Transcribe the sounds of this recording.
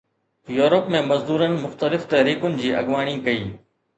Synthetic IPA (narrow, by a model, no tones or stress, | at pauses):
juːɾəpmẽːmɐzd̪uːɾənɪ̆mʊxt̪əlɪft̪ɐɦɾiːkʊnɪ̆d͡ʑiːʔɐ̰ɠʋaːɽ̃ĩːkɐiː